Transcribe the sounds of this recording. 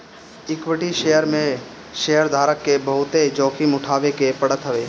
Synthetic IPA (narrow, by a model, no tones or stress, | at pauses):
ɪkwɪʈiʃeːjəɾmẽ | ʃejəɾd̪ʱaːɾəkːebɐɦʊt̪ed͡ʒɔ̃ːkʰimʊʈʰaːʋekepəɽət̪ɦɐʋeː